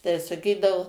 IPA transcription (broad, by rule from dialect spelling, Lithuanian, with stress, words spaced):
tɐɪ sɐˈkʲiːdɐʋʊ